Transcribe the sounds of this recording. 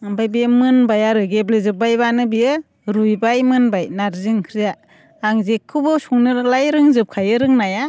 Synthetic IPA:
bajbiɯmɯnbajaɾɯɡeblezɯbajbanɯbijɯ | ɾujbajmɯnbajnaɾzɯŋkʰɾijaː | ŋzekʰːɯbɯsuŋnɯɾlajɾɯŋzɯp̚kʰajɯɾɯŋnaja

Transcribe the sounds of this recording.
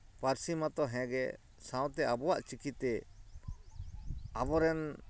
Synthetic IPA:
paɾsimat̪ɔɦɛ̃ɡɛ̰ | sãw̃t̪ɛʔabɔwaʔt͡ʃikit̪ɛ | abɔɾɛn

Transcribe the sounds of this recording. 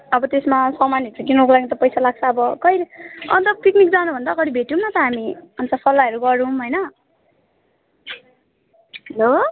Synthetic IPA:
ʌbʌt̪esmasʌmanit͡sʌkinokolaɡit̪ʌpʌjsalaɡ̚t͡sʰʌːbʌkʌjleʌ̰nt̪ʌpiknik̚d͡zanubʱʌnd̪aɡʌɽibʱeʈjũmat̪ʌɦamiʌnt͡sʌpʰʌlːaʌɾuɡʌɾũɦojnʌ | ɦʌlo

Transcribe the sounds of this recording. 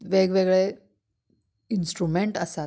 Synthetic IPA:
ʋeɡʋeɡɭe | insʈɾumeɳʈəsa

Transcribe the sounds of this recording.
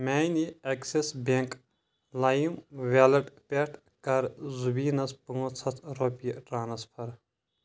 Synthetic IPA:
mʲaːjniɐksesbeŋk | lɐjimʋeːlɐʈpʲeʈʰ | kɐɾzubiːnɐspɐŋot͡sʰɐt̪ʰɾopiʈɾaːnɐspʰɐɾ

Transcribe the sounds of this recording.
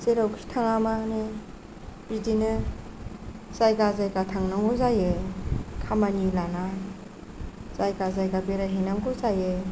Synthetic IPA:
seɾawkʰi̥tʰaŋamane | b̥idinɯ | zajɡazajkatʰaŋnɔŋuzajekʰamanilana | zajɡazajɡabeɾaɦinaŋɡuzaje

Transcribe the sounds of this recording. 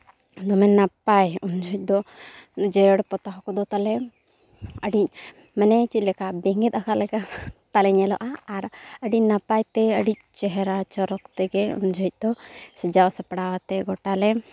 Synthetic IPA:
d̪ɔmɛnːapajund͡ʒɔc̚ˀd̪ɔ | d͡ʒɛɾəɽpɔt̪aɦɔkɔd̪ɔt̪alɛ | əɖic̚ | mɛnɛt͡ʃit̪̚lɛkabɛŋɡɛt̪̚ˀakʰalɛkat̪alɛɲɛlɔʔaːɾəɖicnapajt̪ɛəɖic̚t͡ʃɛɦɛɾat͡ʃɔɾɔkt̪ɛɡɛṵnd͡ʒɔc̚ˀd̪ɔsɛd͡ʒawsɛpɽawat̪ɛɡɔʈalɛ

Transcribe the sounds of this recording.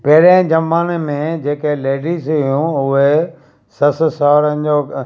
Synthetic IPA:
peɦɾə̃d͡ʑɐmaːnmẽd͡ʑeːkeleːɖizʊjũʊɦe | sɐssaːɾənɪd͡ʑoː

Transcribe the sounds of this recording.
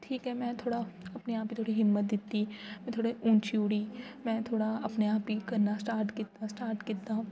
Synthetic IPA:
ʈʰiːkɦɛmɛ̃ːt̪ʰoːɽaɐpneaːpkit̪ʰoːɽiɦɪmːət̪̚d̪ɪt̪ːimɛ̃t̪ʰoːɽeʔʊ̃ːnt͡ʃuːɽimɛ̃ːt̪ʰoːɽaɐpneaːpkikɐɾnasʈaːɾʈkɪt̪asʈaːɾʈkɪɾt̪aɦũ

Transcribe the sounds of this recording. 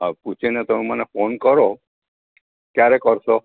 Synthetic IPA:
abput͡ʃʰinet̪əmemənefonkəɾo | kjaɾekəɾso

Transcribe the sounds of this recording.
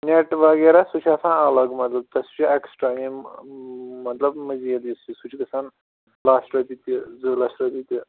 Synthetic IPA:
nʲeʈʋɐɡeɾasut͡ʃʰiɐsãːnɐlɐɡmɐt̪lɐb̚t̪ɐsu̥t͡ʃʰiɐksʈaːmĩ | mɐt̪lɐbməzielist͡ʃʰisut͡ʃʰikɐsaːn | laːsʈɾɐpit̪ʲizɨlasʈɐpit̪ʲi

